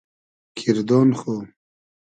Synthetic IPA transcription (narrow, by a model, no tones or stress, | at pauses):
kʰiɾd̪oːnxo